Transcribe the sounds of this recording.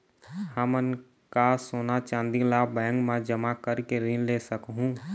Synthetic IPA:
həmən | kasoːnat͡ʃãːnd̪ilaːbɛ̃ːŋɡmãd͡ʒəmakəɾkeɾĩnleːsəkɦũ

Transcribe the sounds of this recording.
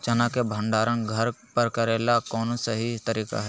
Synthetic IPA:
t͡ʃɐnakebʱə̃ɳɖaːɾə̃nɡʱɐɾpɐɾkɐɾeːlakɔːnosɐɦit̪əɾiːka̰ɦɛ

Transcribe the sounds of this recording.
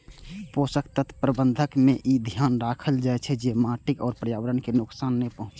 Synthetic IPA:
posəkt̪ət̪ʰpɾəbənd̪ʱəkmeʔid̪ʱjanɾakʰəld͡ʒaɛt͡ʃʰɛd͡ʒemaʈikɔːɾpɾəjaʋəɾənkenʊksaːnːɛpəɦʊ̃t͡ʃ

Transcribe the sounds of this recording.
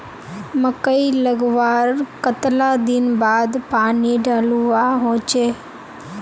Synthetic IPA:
məkəiləɡʋaːɾkət̪lad̪ɪnbaːd̪paːniɖaːluʋaɦõːt͡ʃeː

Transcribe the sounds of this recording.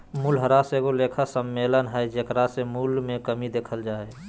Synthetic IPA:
mulɦəɾaseɡoleːkʰasəmːeːlənɦɛjd͡ʒekɾasemulmẽkəmid̪eːkʰəld͡ʒaːe

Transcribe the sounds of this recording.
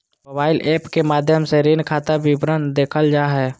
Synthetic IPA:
mobaːɪlʔeːpkemaːd̪ʱjəmseɾinkʰaːt̪abibɾənd̪eːkʰəld͡ʒaːɦɛː

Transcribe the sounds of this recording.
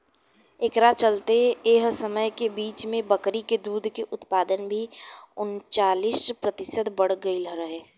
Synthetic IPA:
ekɾat͡ʃəlt̪eːɦsəməjkebiːt͡ʃmẽbəkɾiked̪uːd̪ʱkeʔʊt̪paːd̪ənbʱiʊnt͡ʃaːlispɾət̪ɪsəd̪bəɽ̤ɡəiləɾəɦeː

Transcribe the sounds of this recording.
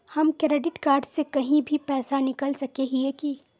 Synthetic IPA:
hɐmkɾeːɖɪʈkaːɾɖsekɐɦĩbʱipɛːsanɪkəlsɐkeɦiɛki

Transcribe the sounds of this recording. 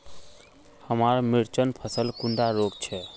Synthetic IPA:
həmaːɾmɪɾt͡ʃənpʰəsəlkʊ̃ɳɖaɾoːɡt͡ʃʰɛ

